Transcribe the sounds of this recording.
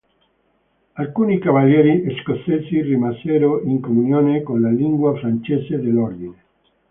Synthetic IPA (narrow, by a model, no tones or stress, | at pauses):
alkunikaβaljeɾieskoθesirimaseɾoiŋkomunjonekonlaliŋɡwafɾant͡ʃesed̪eloɾd̪ine